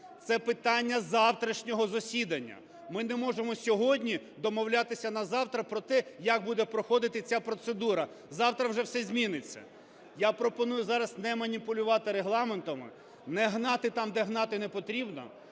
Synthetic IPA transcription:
t̪sɛpɪt̪ɑnʲːɐzɑwt̪ɾɐʃnʲɔɦɔzɔsʲid̪ɐnʲːɐ̰ | mɪnɛmɔʒemɔsʲɔɦɔdʲnʲi | d̪ɔmɔwlʲat̪ɪsʲɐnɐzɑwt̪ɾɐpɾɔt̪ɛjɐk̚bud̪ɛpɾɔxɔd̪ɪt̪ɪt͡sʲapɾɔt̪sed̪uɾɐ | zɑwt̪ɾɐwʒɛwsɛzʲmʲinɪt͡sʲːɐ̰ | japɾɔpɔnujʊzɑɾɐsnɛmɐnʲipʊlʲʊʋɑt̪ɪɾeɦlˠɑment̪ɐmɪ̰ | nɛɦnɑt̪ɪt̪ɑmd̪ɛɦnɑt̪ɪnɛpɔt̪ɾʲibnɔ̰

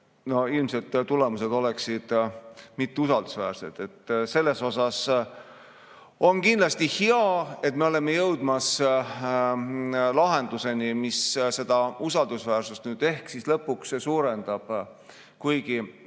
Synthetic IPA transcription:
no̞ilmse̞lt̪ːule̞muse̞d̪̥o̞leksid̪̥mit̪ːeusɑld̪̥usvæːɾse̞d̪̥e̞t̪ːse̞lːe̞so̞sɑs | o̞nkind̪lɑst̪iheɑe̞t̪̚meo̞le̞mːe̞jɤwd̪̥mɑs | lɑɦe̞nd̪̥use̞nimisse̞d̪̥ɑusɑld̪usvæːrsust̪nyːd̪̥e̞hksislɤpːˑuksesuːɾe̞nd̪̥ɑb̥ | kujɡ̥i

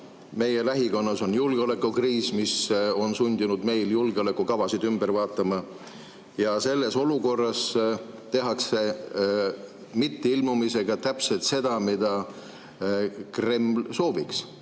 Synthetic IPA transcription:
me̞jelæɦiko̞nːɑso̞njulɡ̥eo̞le̞kːˑukriːsmiso̞nsunʲd̪inud̪me̞jljulɡ̥eo̞le̞kːˑukɑvɑsid̪̥ymb̥eɾvɑːt̪ːˑɑmɑ | jɑse̞lːe̞so̞luko̞rːɑs | t̪e̞ɦɑkse̞ | mit̪ːeilmumise̞ɡ̥ɑt̪æpselt̪se̞d̪̥ɑmid̪̥ɑ | kre̞mːlso̞ːviks

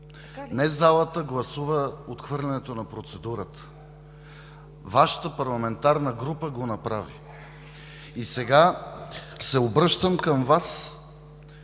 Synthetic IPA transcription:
nɛzalˠət̪əɡlˠɐsuvəot̪xvɤɾlʲɛnɛt̪onɐpɾot̪sɛd̪uɾət̪ə̥ | vaʃə̥t̪əpɐɾlˠɐmɛnt̪aɾnəɡɾupəɡonɐpɾavḭ | isɛɡa | sɛobɾɤʃt̪əmkəmvas

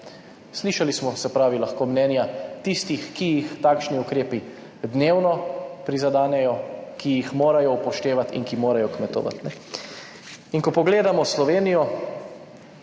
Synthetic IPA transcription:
sliʃalismɔsɛpɾaːʋilaxkoːmnɛːnjat̪ist̪ixkijixt̪aːkʃniukɾeːpi | d̪neːwnɔpɾizad̪aːnɛjɔkijixmoːɾajɔupɔʃt̪eːʋat̪ḭŋkimoːɾajɔkmɛt̪o̰ʋa̰t̪nɛ | iŋkɔpɔɡleːd̪amɔslɔʋeːnijɔ

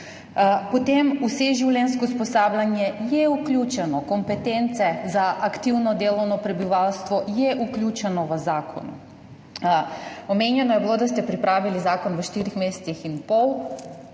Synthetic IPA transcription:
pɔt̪emuseʒiwlʲɛnskɔspɔsaːblʲanjɛjɛuklʲjuːt͡ʃɛnɔkɔmpɛt̪ent̪sɛzaʔakt̪iwnɔd̪eːlɔwnɔpɾɛbiʋawst̪ʋɔjɛʔuklʲjuːt͡ʃɛnɔʋəzaːkʰɔ̰nu | ɔmenjɛnɔjɛbilod̪ast̪ɛpɾipɾaːʋilizaːkɔnʋəʃt̪iɾixmesɛ̥t̪sixinpɔw

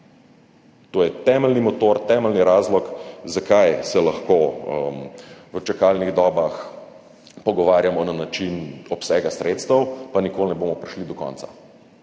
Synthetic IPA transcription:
t̪oːjɛt̪ɛməlnimɔt̪oɾt̪ɛːməlniɾaːzlɔkzakajsɛlɐxkoəmʋət͡ʃakalniɣd̪ɔːbax | pɔɡɔʋaːɾjamɔnanat͡ʃinɔpsɛːɡasɾʔeːt̪st̪əwpanikolnɛbomɔpɾiʃlid̪ɔkɔ̰nt̪sa̰

